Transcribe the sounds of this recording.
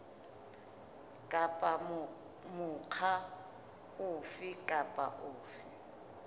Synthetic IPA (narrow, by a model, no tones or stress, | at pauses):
kʼapʼa | mʊq͡χʰa | ʊfikʼapʼa̰ʔʊːfi